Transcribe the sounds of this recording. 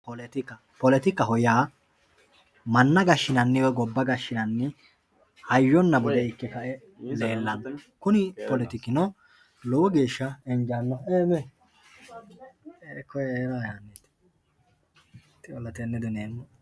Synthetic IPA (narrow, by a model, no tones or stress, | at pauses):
pɔlɛt̪ɪkːɐ | pɔlɛt̪ɪkːɐɦɔjaː | mɐnːɐɡɐʃːɪnɐnːɪwɔɡɔbːɐɡɐʃːɪnɐnːɪ | hɐjːɔnːɐbɔd̪ɛɪkːɛkɐʔɛ | le̞ːlːɐnkʊnɪpɔlɛt̪ɪkɪnɔ | lɔwɔɡeːʃːɐɛɲd͡ʒaːnːɔeːmɛ | eːkːɔjeːɾaːjaːnːeːt̪ | t̪ːɪɔlːɐt̪ɛnːɛd̪ʊneːnː